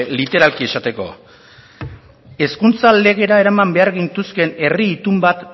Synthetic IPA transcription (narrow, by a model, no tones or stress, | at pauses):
lit̪e̞ɾalkie̞sat̪e̞ko̞̰ | e̞skunt͡sale̞ɣ̞e̞ɾae̞ɾamambe̞aɾɣint̪uske̞ne̞riːt̪umbat̪